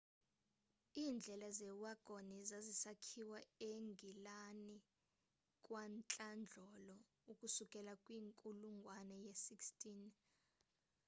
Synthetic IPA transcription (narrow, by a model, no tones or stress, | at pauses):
iːnd͡ɮʱɛlazɛwaɡ̥ʱonizazisakʰiwaeŋɡʱilani | kʼwant͡ɬʼand͡ɮʱɔlɔ | ukʼusukʼɛlakʼwiːŋkʼuluŋɡʱwanɛjesikstʰʼin